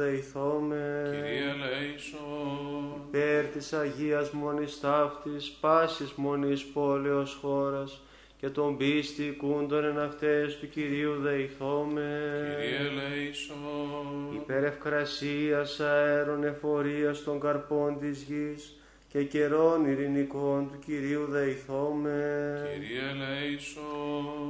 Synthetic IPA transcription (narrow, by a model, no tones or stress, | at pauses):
ðeiθome | ipeɾt̪isɐʝiɐzmo̞nist̪ɐft̪ispɐsizmo̞nispo̞leosxo̞ɾɐs | ce̞t̪o̞mbist̪ikund̪onenɐft̪est̪uciɾiuðeiθo̞me | so | ipe̞ɾe̞fkɾɐsiɐsɐeɾone̞fo̞ɾiɐst̪o̞ŋɡɐɾpo̞nt̪izʝis | ce̞ce̞ɾo̞niɾiniko̞nt̪uciɾiuðɐiθome | leso